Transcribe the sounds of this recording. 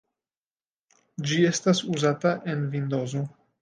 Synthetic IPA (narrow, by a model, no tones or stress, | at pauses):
d͡ʒie̞stasuzataʔe̞nvind̪o̞zo̞